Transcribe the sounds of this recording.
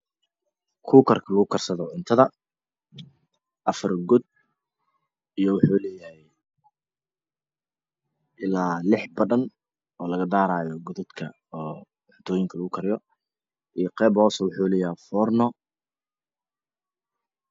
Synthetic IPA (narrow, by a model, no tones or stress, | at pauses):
kʰuːkʰɐrkʰɐlɐɣʊkʰɐrsɐðɔʕʊnt̪ʰɐðɐ | ʔɐfɐrɡʊd̪̚ | ijɔwɑħuːlɛːjɐhɛj | ʔɪlaːlɪħbɐðɐn | ɔːlɐɣɐd̪aːɾaːjɔɡʊðʊd̪kʰɐ̰ | ɔː | ʕʊnt̪ʰɔːjɪŋkʰɐlɐɣʊkʰɐɾɪjɔ | ʔijqɛːbɔːswʊħuːlɛːjɐhɛfɔːrnɔ